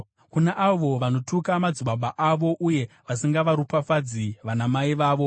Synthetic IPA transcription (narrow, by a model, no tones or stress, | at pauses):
kunaʔaʋo̞ʋano̞tukamad͡ziɓaɓaʔaʋo̞ʔuje̞ | ʋasiŋɡaʋaɾupafad͡ziʋanamaiʋaːʋo̞